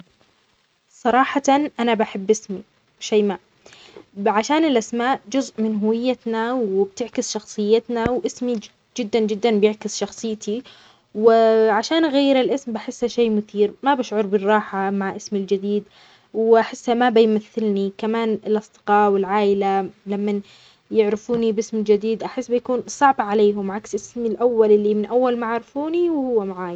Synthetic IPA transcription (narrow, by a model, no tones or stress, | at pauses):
sˤɑɾˤɑːħɑnʔanabaħɪbːɪsmi | ʃaːmaʔ | ʕaʃaːnɪlʔasmaːʔd͡ʒʊzʔmɪnɦʊwɪjːat̪nawɪb̚t̪ɪʕkɪsʃɑxsˤɨjːɪt̪nawʔɪsmi | d͡ʒɪd̪ːand͡ʒɪd̪ːanbjɪʕkɪsʃɑxsˤɨjːt̪ʰi | wɪʕaʃaːnʔɣajːɪɾɪlʔɪsmbaħɪsːhaʃeːmʊθiːɾmabaʃʕʊɾˤbɪrˤːɑːħamaʕʔɪsmɪld͡ʒɪd̪iːd̪ | wʔaħɪsːhamabɪjmaθːɪlnikamaːnɪlʔɑsˤd̪ɨ̥qɑːwɪlʕaːʔɪlalamːan | jɪʕɾɪfuːnibɪsmɪld͡ʒɪd̪iːd̪ʔaħɪsːbɪjkuːnsˤɑʕbʕaleːɦʊmʕaksʔɪsmilʔawːalʔɪlːimɪnʔawːalmaʕaɾˤɪfuːniwhʊwːamaʕaːja